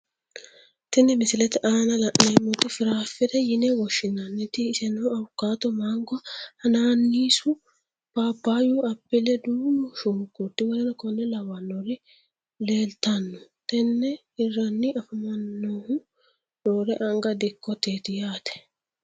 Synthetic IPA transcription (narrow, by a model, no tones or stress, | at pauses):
t̪ɪnːɛmɪsɪlɛt̪ɛʔaːnɐlɐʔneːmʊt̪ɪfɪɾaːfːɪd̪ɛjɪnɛwɔʃːɪnːɐnːɪt̪ɪɪsɛnoːɐwʊkːaːt̪ɔmaːŋɡɔhɐnaːnːiːsʊ | paːpːaːjuɐpːɪlɛd̪uːmʊʃʊŋkːut̪ːɪwɔlɐnɐkɔnːɛlɐwɐnːɔɾɪ | le̞ːlt̪ɐnːɔt̪ɛnːɛ | ɪrːɐnːɪɐfɐmɐnːoːhʊ | doːɾɛʔɐŋɡɐd̪ɪkːɔt̪eːt̪ɪjaːt̪ɛ̥